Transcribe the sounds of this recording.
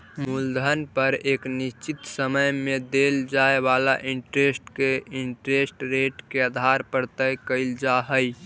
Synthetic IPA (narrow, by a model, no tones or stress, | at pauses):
muld̪ʱənpəɾeːkniʃt͡ʃit̪səməjmẽd̪eld͡ʒaeʋalaʔiɳʈɾesʈkeiɳʈɾesʈɾeʈkeəd̪ʱaɾpəɾt̪əjkəɪld͡ʒaɦəj